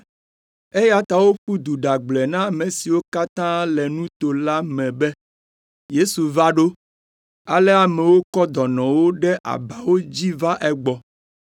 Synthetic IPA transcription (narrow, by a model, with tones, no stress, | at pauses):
e˦ja˦t̪a˨wo˦ɸu˦d̪u˨ɖa˨ɡ͡blɛ˨nã˦˨mẽ˨si˨wo˦ka˦t̪ã˦lɛ˨nũ˦t̪o˨la˦mɛ̃˨bɛ˦ | je˦su˨va˦ɖo˦ | a̰˨lɛ˦a˨mɛ˨wo˦kɔ˦d̪ɔ˨nɔ̃˨wo˦ɖɛ˦ʔa̰˨ba˨wo˦d͡ʑi˦va˦ʔɛ˦ɡ͡bɔ˨